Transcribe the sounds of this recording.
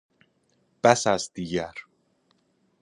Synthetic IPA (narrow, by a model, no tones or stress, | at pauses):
b̥æsæzd̪iɟæɾ